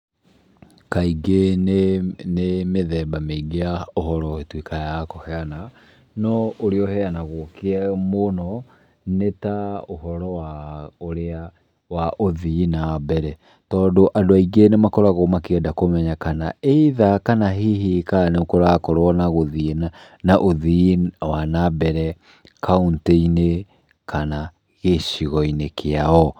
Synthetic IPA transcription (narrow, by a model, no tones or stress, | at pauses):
kaiɡenenemeðɛːbameiɡeaohɔɾɔetwikajakɔhɛana | nɔoɾeɔhɛanaɣwɔkeɛmonɔ | netaohɔɾɔwaoɾea | waʔoðinabɛɾɛ | tɔːndoʔadoaiɡenemakɔɾaɣomakeɛdakomɛɲakanaeiðakanaɦiɦikaneokoɾakɔɾɔnaɣoðina | naʔoðiwanabɛɾɛ | kaunteine | kʰana | ɣeʃiɣɔinekʰeaɔ